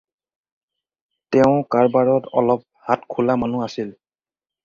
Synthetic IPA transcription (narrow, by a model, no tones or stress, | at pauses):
tɛʊ̃kaɹbaɹɔtɔ̰lɔp̚hatkʰulamanuasil